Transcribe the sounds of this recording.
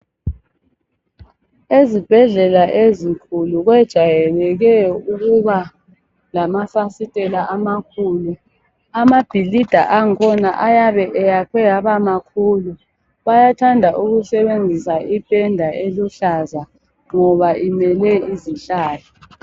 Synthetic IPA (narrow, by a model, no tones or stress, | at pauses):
ezib̥ʱɛɮɛlaʔezikʰuluɣwɛd̥ʒ̥ʱajɛlɛɣɛuɣuβa | lamafasitʼɛlaʔamakʰuːlu | amab̥ʱilid̥ʱa̰ʔaŋkʰɔnaʔajaβɛʔɛjapʰɛjaβamakʰuːlu | βajatʰandʱaʔuɣusɛβend͡zʱisaʔib̥ʼɛndʱaʔeluɬaza | ŋŋɔβaimɛlɛiziɬaːlɔ